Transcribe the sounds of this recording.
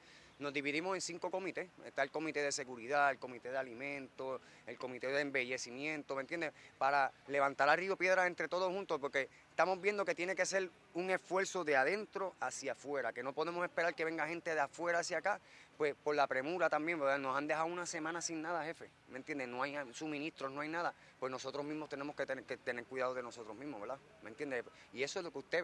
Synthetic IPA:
no̞zd̪iβiðimo̞se̞nsiŋko̞ko̞mit̪e̞ḛst̪aelko̞mit̪e̞ðe̞se̞ɣuɾiðaelko̞mit̪e̞ðealimẽ̞nt̪o̞ | elko̞mit̪e̞ðeːmbe̞ʝe̞simjẽ̞nt̪oment̪je̞nd̪epaɾale̞βant̪aɾario̞pje̞ðɾase̞nt̪ɾe̞t̪o̞ðoshunt̪ospo̞ɾke̞ | est̪amo̞zβje̞nd̪o̞ke̞t̪jeneke̞se̞ɾ | uŋe̞sfwe̞ɾso̞ðeaðe̞nt̪ɾo̞asjafwe̞ɾake̞no̞po̞ðe̞mose̞spe̞ɾaɾke̞βe̞ŋɡahe̞nt̪eðeafwe̞ɾaːsjakapwe̞spo̞ɾlapɾe̞muɾat̪ambje̞ŋbeɾðano̞sand̪e̞haounase̞mãnasinnaðahe̞fe̞ | me̞njend̪eno̞ajasumĩnist̪ɾono̞ajnaða | pwe̞sno̞so̞t̪ɾo̞zmĩzmo̞st̪e̞ne̞mohkeket̪e̞ne̞ɾkwiðaðoðe̞no̞so̞t̪ɾozmĩhmoβe̞ɾða | ment̪jend̪e | ie̞soezlo̞keust̪e

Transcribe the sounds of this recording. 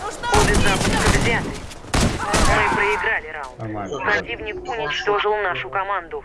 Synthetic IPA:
obʲɨzapʊskədzʲat̪ɨj | mɨpɾəɪɡɾalʲɪɾaʊnt̪pɾɐtʲivnʲɪkʊnʲɪt͡ɕt̪o̞ʐɨlˠnaʂʊkɐmand̪ʊ

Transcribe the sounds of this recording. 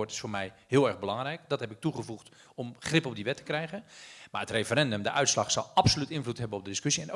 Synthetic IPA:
ɹtɪ̥sfʊːmɛjɦɪəlˠɛrbəlɑŋrɛjkdɑtɦɛpɪk̚tuχəvuχt | ɔmχrɪpɔb̚diʋɛtə̥krɛjɣənmaːətrefərɛndəmdəʔœɥtslɑχsɑlˠɑpsolytɪnvlutɦɛbənɔb̚dədɪskøsiɛn

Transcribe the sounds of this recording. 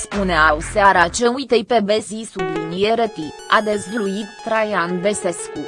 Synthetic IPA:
spuneawuseaɾat͡ʃeujt̪ejpebezisublinijeɾət̪iad̪ezluit̪ːɾajanvese̞sku

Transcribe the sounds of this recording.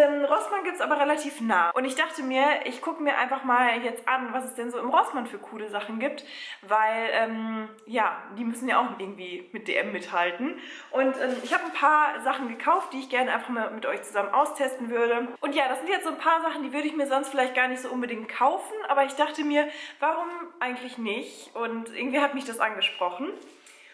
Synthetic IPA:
ʔɛːmʁɔsmanɡiːp̚tsʔaːbɐʁelatʰiːfnaːʔʊntɪçd̥aχtəmiːɐʔɪçkʰʊkəmiːɐʔa̰ɪnfaχmaːljɛt͡stʔanvasɛsd̥ɛnzoːɪmʁɔsmanfyːɐkʰuːləzaχn̩ɡiːp̚tvaɪlʔɛːm | jaːd̥iːmʏsn̩jaːʔaʊxɪɐɡŋ̩tv̥iːmɪt̚d̥ḛːʔɛmːɪthaltn̩ʔʊntʔɛːmɪçhaːbənpʰaːɐzaχn̩ɡəkʰaʊft̚d̥iːɪçɡ̥ɛɐnəʔaɪnfaχmaːlmɪtʔɔʏçt͡suzamənʔaʊstʰɛstn̩vʏɐɾəʔʊntjaːɾasz̥ɪntjɛt͡stzoːnpʰaːɐzaχn̩diːvʏɐɾəɪçmiːɐzɔnstfɪlaɪçt̚ɡ̥aːɐnɪçtz̥oːʔʊnbədɪŋkt̚kʰaʊfn̩ʔaːbɐɪçd̥aχtəmiːɐvaʁʊmʔaɪɡŋ̩tlɪçnɪçʔʊntʔɪ̰ɐɡŋ̩tv̥iːhatmɪçd̥asʔa̰nɡəʃpʁ̥ɔχn̩

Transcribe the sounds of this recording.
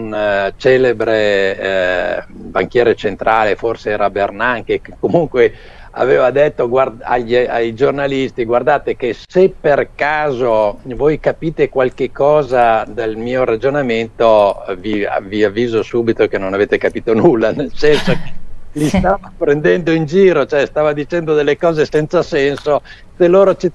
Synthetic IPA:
unt͡ʃɛːlebɾe | baŋk̟jɛːɾet͡ʃent̪ɾʔaːleforseɛːɾabernaŋk̟ekekːomuŋkwe | a̰veːvad̪et̪ːoɡwara̰ʎːajd͡ʒornalist̪iɡward̪aːt̪ekesepːerkaːzovoːjkapiːt̪ekwalkekːɔːzad̪almiːoɾad͡ʒonament̪ovia̰viavːiːzosuːbit̪okenonaveːt̪ekapiːt̪onulːanelsɛnsokelist̪aːvapɾend̪ɛnd̪oind͡ʒiːɾot͡ʃoɛst̪aːvad̪it͡ʃɛnd̪od̪elːekɔːzesɛnt̪sasɛnso | selːoːɾot͡ʃi

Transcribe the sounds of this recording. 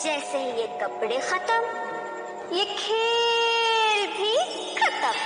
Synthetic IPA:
d͡ʒɛːseɦijekɐpɽexɐt̪əm | jekʰeː | lbʱi | xɐt̪əm

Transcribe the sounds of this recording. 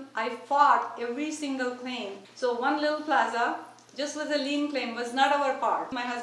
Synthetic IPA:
ʔaɪfɔʈevɾisɪ̃ŋɡəlklẽɪ̃msoːʋʌ̃nlɪʈəl̩plazə | d͡ʒʌsʈʋɪzəlĩːnklẽmʋɔznɔʈoʊəɾpɔɾʈmaɪɦʌz

